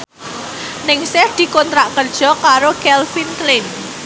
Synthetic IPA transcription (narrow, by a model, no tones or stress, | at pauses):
nɪŋsɪhd̪̥i̤kont̪ɾaʔkərd̥ʒ̥ɔ̤kaɾokɛlfinklɪn